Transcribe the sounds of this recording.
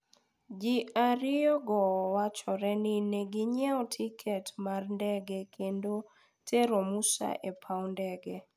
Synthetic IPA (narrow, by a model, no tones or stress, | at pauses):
d͡ʒiaɾɪɔɡɔwat͡ʃɔɾɛnineɡiɲɛɔtʰikʰɛtmarndɛɡɛkʰendo | tʰeɾomusa̰ʔepʰaɔndɛɡɛ